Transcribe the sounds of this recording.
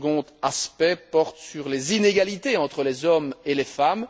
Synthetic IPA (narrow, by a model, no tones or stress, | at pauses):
ɡɔ̃t̪aspɛpɔʁt̪syʁlezineɡalit̪eɑ̃t̪χəlezɔmelefam